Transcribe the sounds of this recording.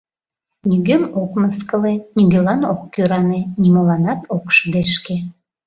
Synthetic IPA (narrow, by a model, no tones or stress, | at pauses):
nyɡømokməskəlenyɡølɑnokːøɾɑnenimolɑnɑt̪okʃəd̪eʃke